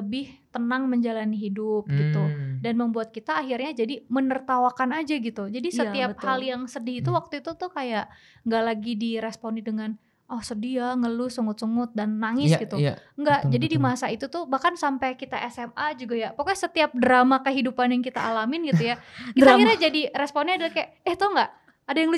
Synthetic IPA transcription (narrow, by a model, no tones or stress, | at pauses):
ləbɪht̪ənaŋməɲd͡ʒalaniɦidʊp̚ɡɡit̪udanməmbuat̪̚kit̪aːɦirɲad͡ʒadimənərt̪awakanad͡ʒaɡit̪ud͡ʒadisət̪iap̚haljaŋsədɪhit̪uwak̚t̪uit̪ut̪ukajaʔ | ŋɡaʔlaɡidiɾɛspɔnidəŋan | ʔɔhsədiaŋəlusəŋʊt̪səŋʊt̪̚danːaŋɪsɡit̪uŋɡaʔd͡ʒadidimaasait̪ut̪ʊhbahkansampɛkit̪aʔɛsɛmad͡ʒuɡajapakasət̪iap̚dəɾamakəɦidupanjaŋkit̪a̰ːlamɪnɡit̪ujakiaahiɾɲad͡ʒadiɾɛspɔniadalahkajaʔɛht̪ɔhŋɡaʔ | adajaŋlu